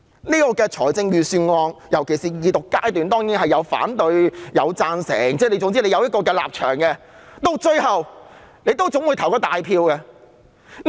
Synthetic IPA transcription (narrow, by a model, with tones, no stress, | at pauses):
niː˥kɔː˧kɛː˧t͡ʃʰɔː˨˩jt͡sɪ˧ŋjyː˨˧syː˧nŋɔː˧ŋjɐ˨˩wkʰe˨˩siː˨jiː˨˧t̪ʊ˨kːaː˥jt̪̬yː˨nt̪ɔː˥ŋjiː˨˥nhɐ˨jːɐ˨˧wfa̰ː˨˥nt̪ɵ˧ɥjɐ˨˧wt͡saː˧nsɛ̰ː˨˩ŋt͡sɛː˥˩ne˨˧jt͡sʊ˧ŋt͡siː˥le˨˧jɐ˨˧wjɐ˥kɔː˧k̬ɛː˧la̰ː˨p̚t͡ʃʰœ̰ː˨˩ŋkɛː˧ | t̪o˧wt͡ʃɵ˧ɥhɐ˨w | ne˨˧jt̪o˥wt͡sʊ˨˥ŋwu˨˧jt̪ʰɐ˨˩wkɔː˧t̪aː˨jpʰiː˧wkɛː˧